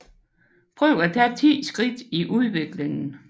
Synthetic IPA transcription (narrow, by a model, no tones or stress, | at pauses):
pʰʁœʊ̰æt͡sʰæt͡sʰḭːsɡ̥ʁid̥iʔuð̞ˠʋe̝ɡ̥leŋn̩